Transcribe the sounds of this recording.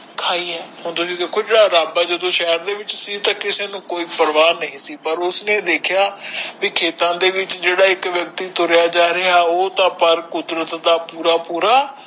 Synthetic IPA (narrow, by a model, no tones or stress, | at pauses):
kʰaːiːɦɛːhʊnt̪ʊsiːd̪eːkʰoːd͡ʒeːɽaːɾaːbaːd͡ʒəd̪õːʃɛɦəɾd̪eːʋɪt͡ʃsiːt̪ãːkɪseːnũːkoːiːpəɾʋaːnəĩːsiːpəɾʊsneːd̪eːkʰjaːʋiːkʰeːt̪ãːd̪eːʋɪt͡ʃd͡ʒeːɽaːɪkʋjəkt̪iːt̪ʊɾjaːd͡ʒaːɾeaːoːt̪ãːpəɾkʊd̪ɾət̪d̪aːpuːɾaːpuːɾaː